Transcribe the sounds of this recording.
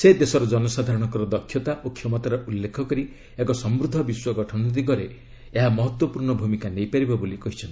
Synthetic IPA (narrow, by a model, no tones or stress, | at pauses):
sed̪esɔɾɔd͡ʒɔnɔsad̪ʱaɾɔɽ̃ɔŋkɔɾɔd̪ɔkʰjɔt̪aʔokʰjɔmɔt̪aɾɔʔulːekʰɔkɔɾi | ekɔsɔmbɾud̪ʱɔbiswɔɡɔʈʰɔnɔd̪iɡɔɾe | eɦamɔɦɔt̪wɔpuɾɳɔbʱumikanejpaɾibɔbolikɔɦit͡ʃʰɔnt̪i